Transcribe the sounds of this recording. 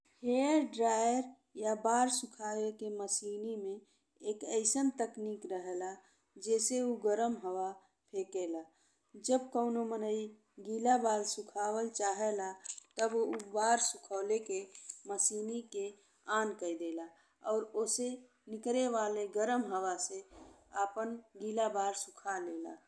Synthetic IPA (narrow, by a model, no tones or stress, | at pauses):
heəɾɖɾaːjəɾ | jabaːɾsʊkʰaːwekeməsiːnimẽ | eːkəɪsənt̪əkniːkɾəɦela | d͡ʒɛːseuɡəɾəmɦəwa | pʰeːkela | d͡ʒəb̚kəʊnomənəi | ɡiːlabaːlsʊkʰaːwəlt͡ʃaːɦelat̪əbubaːɾsʊkʰəːlekeməsiːnike | aːnkəid̪eːla | ɔːɾoːse | nɪkɾeʋaːleɡəɾəmɦəwase | aːpənɡiːlabaːɾsʊkʰaleːla̰